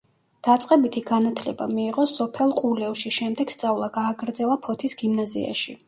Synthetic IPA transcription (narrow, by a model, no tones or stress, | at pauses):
d̪̥at̪sʼqʼɛbit̪ʰiɡanat̪ʰlɛbamiːʁɔsɔpʰɛlˠqʼulɛvʃiʃɛmd̪ɛɡ̥st̪sʼavlˠaɡaːɡɾd̪zɛlˠapʰɔt̪ʰisɡ̥imnazḭa̰ʃi